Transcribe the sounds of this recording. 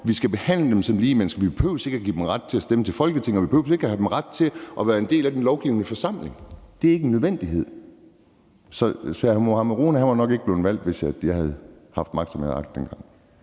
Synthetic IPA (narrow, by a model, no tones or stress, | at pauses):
ʋisɡ̥æb̥e̝hæn̰ləd̥emsɒ̽mliːmen̰sɡ̥ɐʋi̥epʰøʊse̝ɡ̥æɡ̥ḭːd̥emʁad̥̚t͡sʰe̝æsd̥emət͡sʰe̝lfɒ̽lɡ̥ət͡sʰe̝ŋɒʋipʰø̰ʊse̝ɡ̥æhæd̥emʁad̥̚t͡sʰe̝ʔɒ̽ʋæːɐe̝nd̥e̝̰ːlæd̥enlɒʊɡ̥iʊnəfɒ̽sɑ̈m̰le̝ŋd̥eæɐeɡ̥əenːøð̞ˠʋen̰d̥iɦe̝ð̰ˠ | sɒ̽sæmo̝hɑməʁonæhænʋɑnɒ̽ɡ̥eɡəb̥le̝ːʊn̩ʋæl̰d̥ʋe̝sjjɑ̈hæð̩ˠhɑ̈fd̥mɑ̈ɡ̥̚sɒmhḛɑ̈ɡ̥d̥enɡ̥ɑ̈ŋ̰